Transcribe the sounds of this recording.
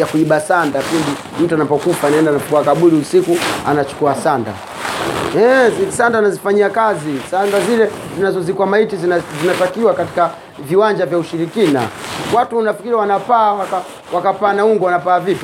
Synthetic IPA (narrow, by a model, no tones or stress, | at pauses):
jakuiɓasandapindi | m̩tuanapɔkufanaɛndanapkuakaɓuliusikua̰nat͡ʃu̥kuasanda̰ | ɛzsandanazifaɲiakazisandazilɛzinazɔzikuamaitizzinatakiwakati̥ka | viwaɲd͡ʒavjauʃiɾikina̰watunafi̥kiɾiawanapaːwaka | wakapaːnauŋɡɔwanapaːvitu̥